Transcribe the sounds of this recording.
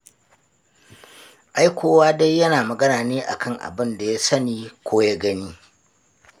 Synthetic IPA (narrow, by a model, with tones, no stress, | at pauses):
ʔa˦jkʷoː˦waː˦da˦jːɐ˦naː˨mɐ˨ɡɐ˦naː˨neː˦ʔa̰˨kʰɐ˦˨ŋʔa̰˨bɪ˦nda˨ja˦sɐ˦niː˨kʷoː˦ja˦ɡɐ˦niː˦